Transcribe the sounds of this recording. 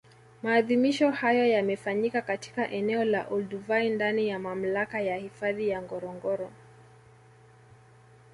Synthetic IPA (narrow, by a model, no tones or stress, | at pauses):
maːðimiʃɔhajɔjamɛfaɲikakati̥kaʔɛnɛɔla̰ʔɔlduvaindanijamam̩lakajahifaðijaŋɡɔɾɔŋɡɔɾɔ